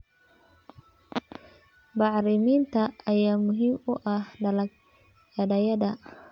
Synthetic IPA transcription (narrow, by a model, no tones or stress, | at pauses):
bɑʕɾɪmiːnt̪ʰɐɐjaːmʊɦiːmʊʔɐhdl | ɐdɐjɐdɐ